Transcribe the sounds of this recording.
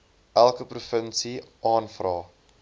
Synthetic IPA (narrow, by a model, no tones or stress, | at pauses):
ʔælˠkəprufənsiɑːnfrɑː